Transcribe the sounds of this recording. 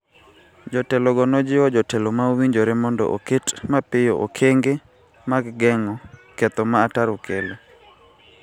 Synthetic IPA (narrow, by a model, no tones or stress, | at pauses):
d͡ʒɔtɛlɔɡɔnɔd͡ʒɪɔd͡ʒɔtɛlomawiɲd͡ʒoɾɛmɔndɔ̰ʔoketmapɪjoʔo̰kʰeŋɡe | maɡɡɛŋɔkɛt̪ɔmaːtaɾokʰele